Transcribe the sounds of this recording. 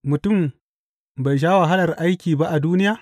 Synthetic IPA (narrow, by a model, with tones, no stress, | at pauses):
mʊ˨tʊ˦˨m | ba˨jʃ̬aː˦wa˨ɦa˦lɐ˨rʔa˦jkʲiː˨ba˦ʔa˨duː˦nɪ˦jaː˦